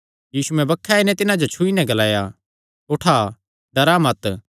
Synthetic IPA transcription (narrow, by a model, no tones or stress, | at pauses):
jiːsuɛ̃bɐkʰːaɪnɛ̃t̪ɪnãd͡ʒot͡ʃʰʊinɛ̃ɡɐlaːja | oʈʰa | d̪ɐɾamɐt̪